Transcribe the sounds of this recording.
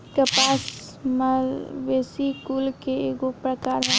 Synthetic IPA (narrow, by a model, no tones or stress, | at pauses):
kəpaːs | məlʋeːsikulkeɡopɾəkaːɾɦ